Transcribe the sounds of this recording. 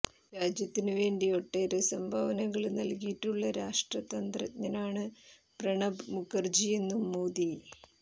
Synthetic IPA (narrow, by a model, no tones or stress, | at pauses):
ɾaːd͡ʑjɐt̪ːinɨʋe̞ːɳɖio̞ʈːeːɾɨsɐmbʱɐʋɐnɐŋːɐɭnɐlkijiʈːuɭːɐɾaːʂʈrɐt̪ɐnd̪rɐ̰ɲɐnaːɳɨ | prɐɳɐbmukːɐrd͡ʑije̞nːumːoːd̪i